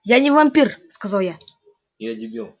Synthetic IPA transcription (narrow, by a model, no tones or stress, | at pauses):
janʲɪvamʲpʲirskazɑlˠja | bʲˠ